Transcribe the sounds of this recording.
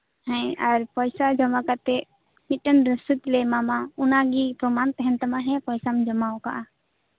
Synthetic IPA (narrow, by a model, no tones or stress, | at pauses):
ɦɛ̃əɾpɔjsad͡ʒəmakat̪e | miʈənd̪ɾəst̪ut̪lemamaunaɡipɾɔmaːnt̪ɛɦɛ̃nt̪əmaɦɛ̃pɔjsamd͡ʒəmaõka̰ʔ